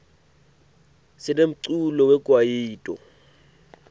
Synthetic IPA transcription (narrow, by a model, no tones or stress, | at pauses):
sɪnem̩ǀulɔwɛkʼwajiːtʼɔ̰